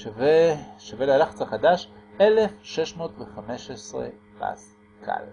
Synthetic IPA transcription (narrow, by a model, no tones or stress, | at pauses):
vʃavelealaχat͡saχad̪aʃelefʃeʃmo̞ːtveχameʃesʁḛ | ba̰s | kʰa̰l